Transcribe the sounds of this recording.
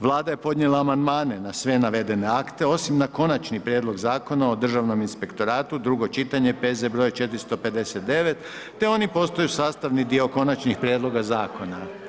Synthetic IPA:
ʋlˠaːd̪aje̞po̞d̪ɲe̞lˠaːmand̪maːne̞nasʋe̞naʋe̞d̪e̞ne̞akt̪e̞o̞simnako̞nat͡ʃnipɾʲjeːd̪lˠo̞ɡzaːko̞nao̞d̪r̩ʒaʋno̞minspe̞kt̪o̞ɾaːt̪ud̪ɾuɡo̞t͡ʃit̪aɲe̞pezebɾo̞jet͡ʃe̞t̪ɾist̪o̞pe̞d̪e̞set̪̚d̪e̞ʋe̞t̪ː | e̞o̞nipo̞st̪o̞jusaːst̪aʋnid̪io̞ko̞nat͡ʃnixpɾjed̪lˠo̞ɡazaːko̞na

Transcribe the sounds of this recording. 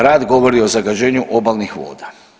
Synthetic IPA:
ɾaːd̪ɡo̞ʋo̞ɾio̞zaɡad͡ʑe̞ːɲuʔo̞balnixʋo̞̰ːd̪a

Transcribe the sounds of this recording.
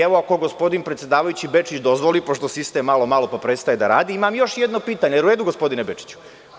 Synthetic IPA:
eʋoako̞ɡo̞spo̞d̪inpɾet̪sje̞d̪aːʋajut͡ɕibe̞t͡ʂit͡ɕd̪ozʋo̞lipo̞ʃt̪o̞sist̪emːalo̞malo̞papɾet̪st̪ajed̪aɾa̰ːd̪iimamjo̞ʃjed̪no̞piːt̪aɲejeɾuɾe̞ːd̪uɡo̞spo̞d̪inebet͡ʂi̥t͡ɕu̥

